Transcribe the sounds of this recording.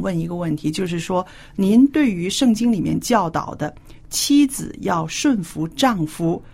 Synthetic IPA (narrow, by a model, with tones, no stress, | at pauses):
wə˥˩ni˧˥ɡə˧wə˥˩nt̪ʰi˧˥t͡ɕjo˥˧ʊʂ̬ɻ̩˥˩ʂwɔ˥ | ni˧˥nt̪we˥˩ɪy˧˥ʂɤ˥˩ŋt͡ɕi˥ŋli˨˩mjɛ˥˧nt͡ɕjɑ˥˩ʊt̪ɑ̰˨˩ʊd̪ə˦ | t͡ɕʰi˥d͡zɹ̩̰˨˩jɑ˥˧ʊʂwə˥˩nfu˧˥ʈ͡ʂɑ˥˩ŋfu˧˥